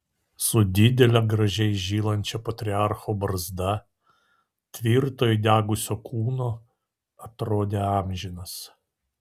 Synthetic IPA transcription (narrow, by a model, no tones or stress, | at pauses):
sʊd̪ʲɪd̪ʲɛlʲɛɡɾɐʒʲɛɪʒʲiːlˠɐnʲt͡ʃʲɛpɐt̪ʲɾʲɪɑɾxoːbɐɾzd̪ɐ | t̪ʲʋʲiˑɾt̪oːjɪd̪ʲæːɡʊsʲoːkʰuːnoː | ɐt̪ɾoːd̪ʲeɑːmʲʒʲɪnɐs